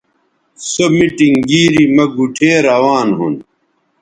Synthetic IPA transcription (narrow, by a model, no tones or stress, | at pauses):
somiʈiŋɡiːɾimɐɡuʈʰeːɾɐwaːnɦṵn